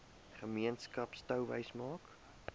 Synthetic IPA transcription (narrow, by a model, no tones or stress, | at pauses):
χəmiənskɐpstəwvə̰jsmɑːk